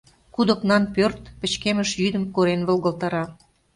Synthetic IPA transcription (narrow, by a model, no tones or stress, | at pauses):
kud̪ə̆knɑnpørt̪pə̆t͡ɕkeməʃjyd̪əmkoɾenβə̆lɣəlt̪ɑɾɑ